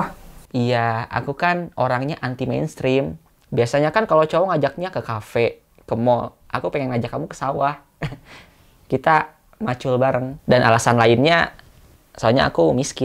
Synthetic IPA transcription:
ijaa̰kukanʔoɾaŋɲaʔant̪imḛjnst̪ɾɪm | biasaɲakankalot͡ʃowɔŋad͡ʒak̚ɲakəkafe | kəmɔl | ʔa̰kupeŋɛŋnad͡ʒakamukə̥sawah | kit̪a | mat͡ʃʊlbaɾəŋdanʔa̰lasanlaɪnɲa | saaɲa̰a̰kumiskɪ

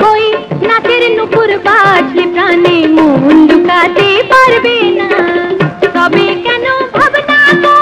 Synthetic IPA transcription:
kojnakeɾnupuɾbat͡ʃʰlipɾanimũɦund̪ukat̪epaɾbena | t̪ɔbikɛnobʱɔbnaako

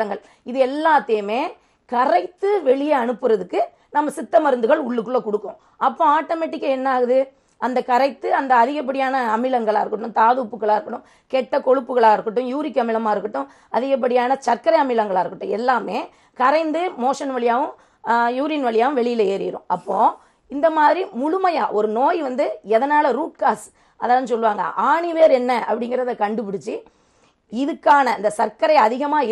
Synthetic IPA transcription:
ɐŋɡɐɭ | ɪðɯɛlːaːt̪ːɐjɯmeː | kɐɾɐɪkt̪ːɯʋɛɭɪjɐɐnɯpːɯɾɐðɯkːɯ | nɐmːɐsɪt̪ːɐmɐɾɯnd̪ɯɣɐɭʊɭːɯkːɯɭːɐkɔɽɯkːʊ̃ | ɐpːõːaːʈːomeːʈːɪkːɐɛnːaːɣɯðɯ | ɐnd̪ɐkɐɾɐɪk̚t̪ːɯɐnd̪ɐɐðɪɣɐp̬ːɐɽɪjaːnɐɐmɪlɐŋɡɐɭa̰ːɪɾɯkːɯʈːɯ̃mt̪aːðuːpːɯkːɐɭaːɪɾɯkːɐʈːɯ̃m | kɛʈːɐkɔɻɯpːɯɣɐɭaːɪɾɯkːɯʈːɯ̃mjuːɾɪkːɐmɪlɐmaːɪɾɯkːɐʈːʊ̃m | ɐðɪɣɐp̬ːɐɽɪjaːnɐt͡ʃɐɾkɐɾɐɪɐmɪlɐŋɡɐɭaːɪɾɯkːɯʈːɯ̃ɛlːaːmeː | kɐɾɐɪnd̪ɯmoːʂɐnʋɐɭɪjaːʋɯ̃ | juːɾiːnʋɐɭɪjaːʋɯ̃ʋɛɭɪjɪlɐeːɾɪ̰ɪɾʊ̰̃ʔɐpːoː | ɪnd̪ɐmaːðɾimʊɻʊmɐja̰ːʔɔɾɯnoːjʋɐnd̪ɯɛðɐnaːlɐɾuːʈ̚kaːs | ɐðaːʋnsɔlːʋaːŋɡɐ̰ʔaːɳiʋeːɾɛnːɐʔɐ̰pːɐɽɪŋɡɪɾɐðɐkɐɳɖɯpɪɽɪt͡ʃːɯ | ɪðɯkːaːnɐɪnd̪ɐsɐɾkɐɾɐɪɐðɪɣɐmaːɪ

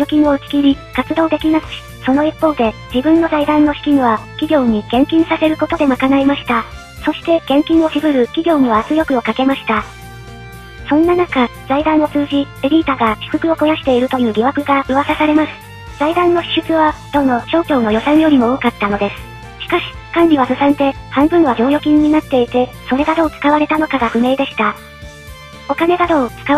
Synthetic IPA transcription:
jokʲĩɰoɯt͡ɕʲi̥kʲiɾʲikat͡sɨd̪o̞ːd̪e̞kʲinakɯ̟̥ɕi̥ | so̞no̞ipːo̞ːd̪e̞d͡ʑibɯ̟̃nːo̞zaid̪ãnːo̞ɕi̥kʲiɲ̟βakʲiɡʲo̞ːɲ̟iɡ̥ẽ̞ŋkʲĩɰ̃sase̞ɾɯ̟ko̞t̪o̞d̪e̞makanaimaɕi̥t̪a | so̞ɕi̥t̪e̞ɡ̥ẽ̞ŋkʲĩɰ̃o̞ɕibɯ̟ɾɯ̟kʲiɡʲo̞ːɲ̟iβaːt͡sɨjo̞kɯ̟o̞kake̞maɕi̥t̪a | sõ̞nːanakaz̥aid̪ãɰ̃o̞t͡sɨːʑieɾʲiːt̪aɡaɕi̥kɯ̟kɯ̟o̞ko̞jaɕi̥t̪e̞iɾɯ̟t̪o̞jɯ̟ːɾʲiβakɯ̟ɡaɯβasasaɾe̞masɨ̥ | z̥aid̪ãnːo̞çi̥ɕɨt͡sɨβad̪̥o̞ːno̞ɕo̞ːkʲo̞ːno̞jo̞sãɰ̃jo̞ɾʲimo̞okat̪ːano̞d̪e̞sɨ̥ | ɕi̥kaɕi̥ | kãnɾʲiβasɯsãnd̪e̞hãmbɯ̟̃ɰ̃βaʑʲo̞ːjo̞kʲĩɲ̟ːinat̪ːe̞it̪e̞ | so̞ɾe̞ɡad̪o̞ːt͡sɨ̥kaβaɾe̞t̪ano̞kaɡaɸɯ̟me̞ːd̪e̞ɕi̥t̪a | o̞kane̞ɡ̪ad̪o̞ːt͡sɨ̥ka

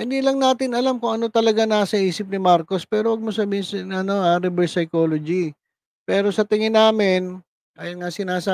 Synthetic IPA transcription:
ɪnd̪ilɐŋnaːt̪ɪnɐlamkʊŋʔɐno̞t̪ɐlɐɡanaːsɐʔiːsɪp̚nɪmaɾko̞spɛːɾowɐɡ̚mos̬abiːɪsnʔɐno̞aɾɛbɛɹsɐjko̞ːlod͡ʒi | pɛːɾo̞sɐt̪ɪŋɪnaːmɪn | ʔajnŋasɪnaːsa

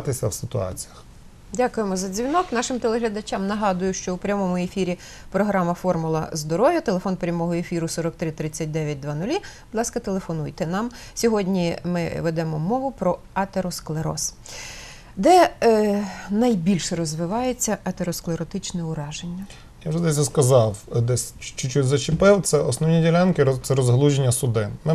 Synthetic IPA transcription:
t̪ɪsʲɐwsɪt̪ʊɑ̰t͡sʲijɐx | dʲakʊjemɔzɐd͡zʲʋʲinɔknɑʃɪmt̪elˠeɦlʲɐd̪ɐt͡ʃʲɑmnɐɦɑd̪ʊjʊʃt͡ʃɔupɾʲɐmɔmʊefʲiɾʲi | pɾɔɦɾɑmɐfɔrmʊlˠɐ̰zd̪ɔɾɔʋʲjɐt̪elˠefɔnpɾʲɐmɔɦɔefʲiɾʊsɔɾɔk̚t̪ɾɪt̪ɾɪt͡sʲːɐt̚ʲd̪ɛʋʲjɐt̚ʲd̪ʋɑnʊlʲibʊd̪lˠɑskɐt̪elˠefɔnujt̪ɛnɑm | sʲɔɦɔdʲnʲimɪ̰ʋɛd̪ɛmɔmɔʋʊpɾɔ | ɐt̪eɾɔsklˠeɾɔ̰s | d̪ɛ | nɐjbʲilʲʃɛrɔzʋɪʋɑjet͡sʲːɐʔɐt̪eɾɔsklˠeɾɔt̪ɪt͡ʃnɛʊɾɑʒenʲːɐ | jawʒɛd̪ɛs̬ʲɔskɐzɑwd̪ɛsʲt͡ʃt͡ʃʊt͡ʃuzɐt͡ʃɪpɪwt̪sɛɔsnɔwnʲidʲɪlʲankɪt̪sɛɾɔzɦlˠuʒenʲːɐsʊd̪ɪmɪ

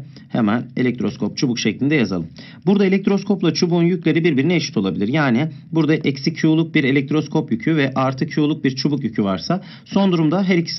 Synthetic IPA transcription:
hḛmæne̞̰lʲɛc̚t̪ʰɾo̞skʰo̞p̚t͡ʃʰubukʃɛclʲind̪ɛjaza̰lˠɯm | buɾd̪aelʲɛc̚t̪ʰɾo̞skʰo̞plˠat͡ʃʰubuːnjycʲlʲe̞ɾibiɾbiɾineːʃit̪ʰo̞lˠabilʲiɾjaːnibuɾd̪aʔɛcsicʰːjuːlˠuk̚biɾe̞lʲɛc̚t̪ɾo̞skʰo̞pjycʰyvɛʔaɾt̪ʰɯkʰjuːlˠuk̚biɾt͡ʃʰubukjycʰyvaɾsa | so̞nd̪uɾumd̪aɦɛɾicʰi̥s

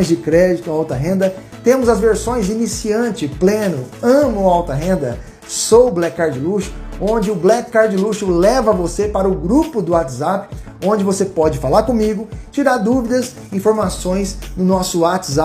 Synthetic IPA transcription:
j̃zd͡ʒɪkɾɛd͡ʒɪt̪ʊaawt̪ɐɦẽnd̪ɐ | t̪ẽmʊzɐzveɾsõj̃zinisiɐ̃nt͡ʃɪplẽnʊɐ̃mʊawt̪ɐɦẽnd̪ɐ̰ | sowblɛkkːaɾd͡ʒɪluʃʊ̥õnd͡ʒɪʊblɛkkːaɾd͡ʒɪluʃʊlɛvɐvosepaɾɐʊɡɾupʊd̪ʊat̪zapɪ̥ | õnd͡ʒɪvosepɔd͡ʒɪfalaɾkõmiɡʊt͡ʃiɾaɾd̪uvid̪ɐs | ĩfoɾmasõj̃snʊnɔsʊat͡ʃ̪za

